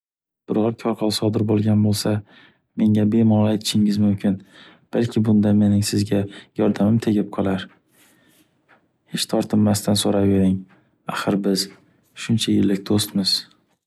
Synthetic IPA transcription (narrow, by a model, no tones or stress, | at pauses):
b̥ɪɾɒɾkʲʰɒɾqʰɒlˠsɒd̪ɪɾbolˠɡʲanbolˠsa | me̞ŋabe̞mɒlajt̪ʰɪ̥ʃɪŋɪzmʊmkʲʰɪn | b̥alkʲʰɪbʊnd̪ame̞nɪŋsɪzɡʲajɒɾd̪amɪmt̪ʰe̞ɡʲɪp̚qʰɒlˠaɾ | het͡ʃt̪ʰɒɾt̪ʰɪmːast̪ʰansoɾave̞ɾɪŋ | aχɨɾbɪz | ʃʊnt͡ʃʰajɪlːɪkʲd̪̥ost̪mɪz̥